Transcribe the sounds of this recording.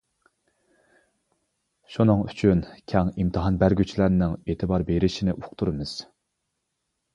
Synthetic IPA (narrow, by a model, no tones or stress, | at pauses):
ʃunɨŋy̰t͡ʃʰynkʲʰɛŋimt̪ʰɨɦɑnbæɾɡʲyt͡ʃʰilæɾnɪŋeːt̪ʰɨbɑɾbeɾɪʃinɪʔuqt̪ʰuɾɨmɨz̥